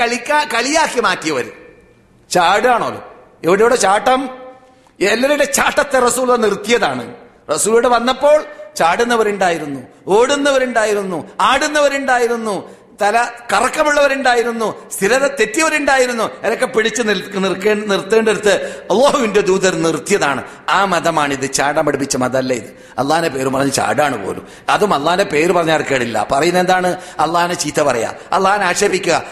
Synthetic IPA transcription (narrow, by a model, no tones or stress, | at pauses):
ɐɭikʲːakɐɭijaːkːimaːkːijɐʋɐ̰ɾṵ | t͡ɕaːɽɨaːɳo̰ːlo̰ | eʋiɽejuːɽet͡ɕaːʈːɐm | elːɐɾuɽet͡ɕaːʈːɐt̪ːerɐsuːllːɐnirt̪ːijɐðaːɳɨ̰ | rɐsuːluɽeʋɐnːɐpːo̞ːɭt͡ɕaːɽunːɐʋɐɾuɳɖaːjiɾunːu | o̞ːɽunːɐʋɐɾuɳɖaːjiɾunːuaːɽunːɐʋɐɾuɳɖaːjiɾunːu | t̪ɐlɐkɐrɐkːɐmuɭːɐʋɐɾuɳɖaːjiɾunːust̪ʰiɾɐðɐt̪et̪ːjɐʋɐɾuɳɖaːjiɾunːueɾokːe̞piɽit͡ɕːɨnirkeːnirt̪ːeːɳɖiɾut̪ːɨɐlːoːɦuʋinde̞d̪uːðɐɾnirt̪jɐðaːɳɨ | aːmɐðɐmaːɳiðɨt͡ɕaːɖɐmɐɽipːit͡ɕːɐmɐðɐmɐlːɐjḭðɨ | ɐ̰lːaːnepe̞ːɾumpɐrɐɲːut͡ɕa̰ːɽaːɳɨpo̞̰ːlṵm | ɐðumɐlːaːnepe̞ːɾupɐrɐɲːaːɽkːɐːɽilːɐ̰pɐrɐjunːend̪aːɳɨɐlːaːnet͡ɕiːt̪ːɐpɐrɐja̰ | ɐ̰lːaːnaːʂɐbikʲːuɣɐ